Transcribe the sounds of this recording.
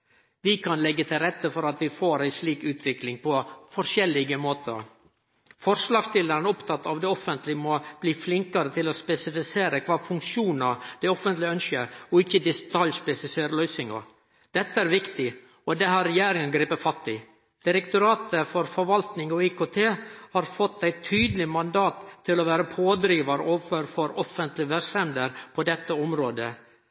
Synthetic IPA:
ʋɪkʰɑnlɛɡːət̪ʰɪlɾɛt̪ːəfɔɾɑt̪ʋɪfoːɾæɪsliːkʉːt̪ʰʋɪklɪŋpʰɔfɔɾʂɛlːɪɡəmoːt̪ʰəɾ | fɔɾʂlɑːɡst̪ɪld̪əɾnɔpt̪ʰɑt̪ːɑʋd̪ɛɔfənt̪lɪmɔb̥liːflɪŋkɑɾət̪ʰɪlɔspɛsɪfɪseːɾəkʰʋɑːfʉŋkʂuːnɑd̪ɛɪɔfənt̪lɪœnʃəɔɪçːəd̪ɪst̪ʰɑljspɛsɪseːɾəlœʏsɪŋɔ̰ | d̪̥ɛt̪ːəæːɾʋɪkt̪ɪ | ɔd̪ɛhɑɾːɛjeːɾɪŋənɡɾiːpəfɑst̪ːɪ | d̪̥ɪɾɛkt̪ʊɾɑːt̪əfɔɾfɔɾʋɑlt̪nɪŋɔɪkoːt̪ʰeːhɑɾfɔt̪ːæɪt̪ʰyːd̪lɪmɑnd̪ɑːt̪ʰːɪlɔʋæːɾəpʰoːd̪ɾiːʋɑɾəʔoːfəɾfɔɾɔfənt̪lɪʋɛɾsɛmd̪əɾpʰɔd̪ɛt̪ːəɔmɾoːd̪ə

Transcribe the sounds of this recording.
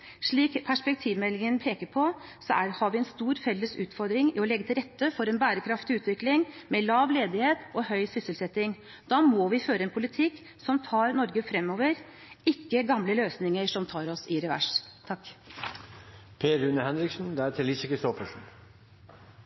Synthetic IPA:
ʂɭiːkpʰæʂpɛk̚t̪ʰiːʋmɛlːɪŋənpʰeːkəɾpʰɔsɔʔæɾhɑɾʋɪɛnst̪uːɾfɛlːəsʉːt̪fɔɾd̪ɾɪŋɪɔlɛɡːət̪ɪɾɛt̪ːəfɔɾɛnbæːɾəkʰɾɑft̪ɪʉːt̪ʋɪklɪŋmeːlɑːʋleːd̪ɪheːt̪ɔhœʏsʏsəlsɛt̪ːɪŋ | d̪̥ɑːmoːʋɪføːɾəɛnpʰʊlɪt̪ʰɪkː | sɔmt̪ʰɑːɾnɔɾɡəfɾɛmːɔːʋəɾ | ɪkːəɡɑmləløːsnɪŋəʂɔmt̪ʰɑːɾɔsɪɾɛʋæ̰ʂt̪ʰɑkː | pʰeːɾʉnəhɛnɾɪksn̩d̪ɛæːt̪ʰɪlɪsɪkəsoːfəʂn̩

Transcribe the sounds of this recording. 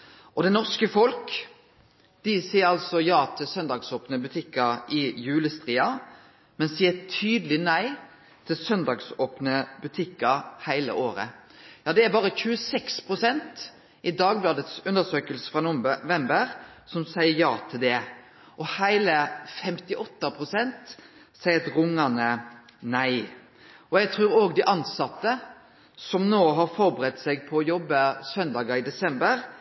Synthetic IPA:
ʔɔd̪ɛnɔʁskəfɔlk | d̪̥ɪsiːəɾɑlsɔjɑːt̪ʰɪlsœnd̪ɑːɡsoːpnəbʉt̪ʰɪkːɑʔɪjʉːləst̪ʁiːɑ | mɛnsiːət̪ʰyːd̪əlɪnæɪ | t̪ʰɪlsœnd̪ɑːɡsoːpnəbʉt̪ʰɪkːɑhæɪlə̰ʔoːɾə̰jɑːd̪ɛæɾbɑːɾəçʉːəsɛkspʰʁʊsɛnt̪ | ʔɪd̪ɑːɡ̚blɑːd̪ət̪sʉnd̪əsøːkəlsə̥fʁɑnʊʋɛmbəɾsɔmsæɪəɾjɑːt̪ʰɪld̪ɛ | ʔɔhæɪləfɛmt̪ɪʔɔt̪ːəpʰɾʊsɛnt̪ | sæɪət̪ɾʊŋːɑnənæɪ | ɔjɛɡt̪ʰɾʉːɾoːɡd̪ɪʔɑnsɑt̪ːə | sɔmnoːɦɑɾfɔɾbəɾɛt̪ːsɛɡ̚pʰɔːjɔbːəsœnd̪ɑːɡɑɪd̪ɛsɛmbəɾ

